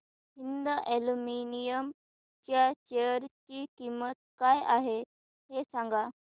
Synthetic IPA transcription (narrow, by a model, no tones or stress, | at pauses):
ɦind̪əʔeluminijəm | t͡ɕjat͡ɕeɾt͡ɕikimət̪̚kajaɦe | ɦesaŋɡa